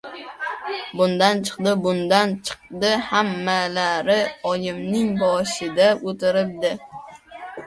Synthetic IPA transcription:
bʊnd̪ant͡ʃʰɨ̥qd̪ɪbʊnd̪ant͡ʃʰɨ̥q̚d̪ɪhamːalaɾɪɒjɪmnɪŋbɒʃɪd̪aot̪ʰɪɾɪp̚d̪ɪ

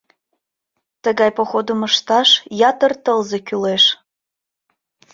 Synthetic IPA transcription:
t̪əɣɑjpoxod̪əməʃt̪ɑʃjɑt̪ərt̪əlzekyleʃ

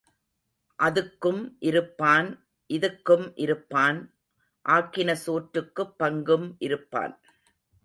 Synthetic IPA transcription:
ʔɐðɯkːɯmʔɪɾɯpːaːn | ʔɪðɯkːɯmʔɪɾɯpːaːn | ʔaːkːɪnɐsoːʈɾɯkːɯpːɐŋɡɯmʔɪɾɯpːa̰ːn

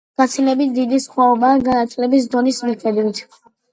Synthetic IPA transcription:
ɡ̥at̪sʰilɛbit̪̚ʰd̪id̪isχwaɔbaɡanat̪sʼlɛbis̬d̪ɔnismɛfɛd̪mit̪ʰ

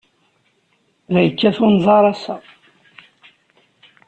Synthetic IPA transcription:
ðæjəkːæθʊnzˤɑɾˤæsæ

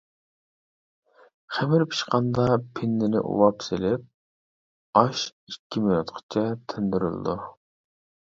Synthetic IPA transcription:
χɛmɪɾpʰi̥ʃqɑnd̪ɑpʰɪnːɪnɪ̰ʔṵwɑpselɪp̚ | ɑʃikʲːimij̪ut̪qʰə̥t͡ʃʰɛt̪ʰɪnd̪yɾy̰lˠɨ̰d̪u

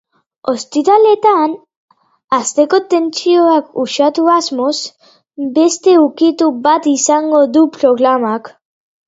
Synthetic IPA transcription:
o̞st̪it̪ale̞t̪an | ast̪e̞ko̞t̪e̞nt͡sioakuʃat̪uazmo̞z | be̞st̪e̞ukit̪ubat̪isaŋɡo̞ðupɾo̞ɣɾamak

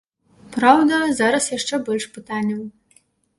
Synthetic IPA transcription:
prawd̪ɐzaːɾɐsjaʂʈ͡ʂebɨlʂpɨtʰanʲɐm

